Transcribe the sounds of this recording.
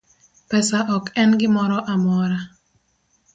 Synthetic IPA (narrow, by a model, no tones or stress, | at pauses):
pɛsaʔɔkɛnɡɪmɔɾɔʔamɔɾa